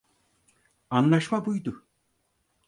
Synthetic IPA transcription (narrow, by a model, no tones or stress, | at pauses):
anlˠaʃmabujd̪ʊ